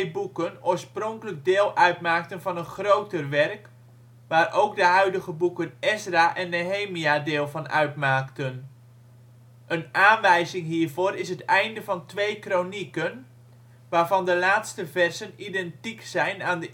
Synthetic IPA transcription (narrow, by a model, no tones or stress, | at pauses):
bukənoːɹsprɔŋkələɡ̚dɪːlˠʔœɥtmaːk̚tənvɑnənχrowtərʋɛrk | ʋaːɾowk̚dəɦœɥdəɣəbukənɛsraʔɛnːeɦejmiadɪːlˠvɑnʔœ̰ɥtmaːktən | ʔənaːnʋɛjzɪŋɦiːɹvoːɾɪs̬ɦətɛjndəvɑntʋejkronikən | ʋaːɹvɑndəlaːtstəvɛrzənidɛntiksɛjnaːndə